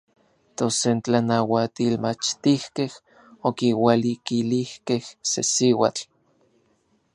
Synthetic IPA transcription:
t̪osent͡ɬanawat̪ilmat͡ʃt̪ihkeh | okiwalikilihkehsḛsiwat͡ɬ

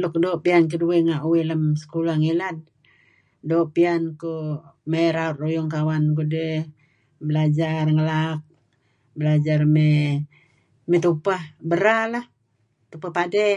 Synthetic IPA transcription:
lʊkdoʔpiank̬ədueŋaʔuweləmsə̥kulaŋilat̪̚ | doʔpiankomeɾaʊt̪̚rujʊŋkawank̬udəh | bəlad͡ʒarŋəlak̚ | bəlad͡ʒarme | mɛt̪upahbəɾalah | t̪upahpadɛ

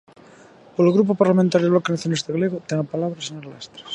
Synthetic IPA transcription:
poloɣɾupopaɾlamẽnt̪aɾjðβlɔkenaθjonest̪eɣaleɣot̪eŋapalaβɾaseɲoɾalast̪ɾḁs

